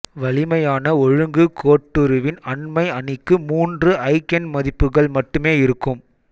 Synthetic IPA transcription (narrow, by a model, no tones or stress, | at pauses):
ʋɐɭɪmɐjaːnɐɔɻɯŋɡɯkʰoːʈːɯɾɯʋɪnɐɳmɐɪɐnɪkːɯmuːndrɯʔɐɪkɐnmɐðɪpːɯɣɐɭmɐʈːɯmeːɪɾɯkːɯm